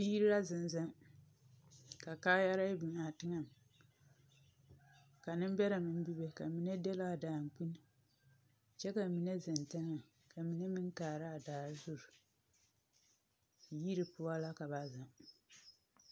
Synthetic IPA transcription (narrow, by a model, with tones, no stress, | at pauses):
i˦ji˦ɾi˦la˦zɪ˨n˨za˦m | ka˨kaː˦ja˦ɾa˦bi˨ŋa˨tɨ˦ŋa˨m | ka˨nɨ˦m˦bɛ˦ɾa˨mɨ˦n˦bi˦be˨ka˨mi˦nɛ˦dɛ˦la˦˨daː˨ŋ˨k͡pu˦n˨ | t͡ʃɛ˦ka˨mi˦nɛ˦zɨ˨nta˦ŋa˨ | ka˨mi˦nɛ˦mɨ˦ŋ˦kaː˨ɾa˦a˨daː˨˦zu˦˨ɾ | ji˦ɾi˨pʊ˦a˦la˦ka˨ba˨za˨m